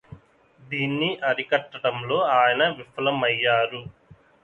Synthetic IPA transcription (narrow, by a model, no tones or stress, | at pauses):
d̪iːnːiʔɐɾikɐʈːɐʈɐmlo̞ːaːjɐnɐʋifɐlɐmɐjːaːɾu